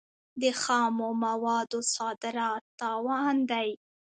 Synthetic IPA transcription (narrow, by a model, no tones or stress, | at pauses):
d̪əxɑmomawɑd̪osɑd̪ɪɾɑt̪̚ːɑwɑnd̪aj